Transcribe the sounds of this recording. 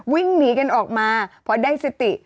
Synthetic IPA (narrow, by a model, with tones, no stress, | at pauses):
wi˥˩ŋniː˦˥ka˧nʔɔː˨˩k̚maː˧pʰɔ˧daː˥˩jse˨˧˦t̪i˨˩ʔ